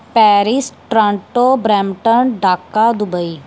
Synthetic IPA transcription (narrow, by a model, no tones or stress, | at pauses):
pɛːɾisʈɾãːɳʈoːbɾɛːmʈənɖaːkːad̪ʊbəiː